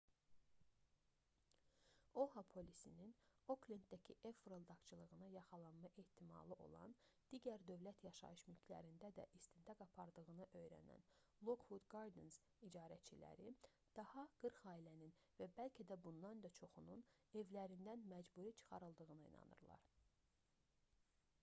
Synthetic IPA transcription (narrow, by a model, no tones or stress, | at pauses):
o̞hɑpʰo̞lʲisinino̞klint̪̚d̪æcʰiʔefɾold̪ɑkt͡ʃʰɯlˠɯʁɯnɑjɑχɑlˠɑnmɑʔe̞ht̪ʰimɑ̰lˠɯʔo̞̰lˠɑ̰nd̪̥iɟæɾd̪ø̞vlæt̪ʰjɑʃɑ̰ɯʃmylcʰlæ̰ɾind̪æd̪æ̰ʔist̪int̪ʰɑkɑpʰɑɾd̪ɯɣɯnɯʔø̞jɾæ̰næ̰nlˠokhud̪ɡɑɾd̪enz̥ | id͡ʒɑːɾæt͡ʃʰilæ̰ɾi | d̪̥ɑhɑɡ̥ɯɾχɑːilænin | væbælcʰæd̪æbund̪ɑnd̪ɑt͡ʃʰo̞χunun | e̞vlæɾind̪ænmæd͡ʒbuɾit͡ʃʰɯ̥χɑ̰ɾɯlˠd̪ɯɣɯnɯḭnɑ̰nɯ̰ɾlˠɑ̰ɾ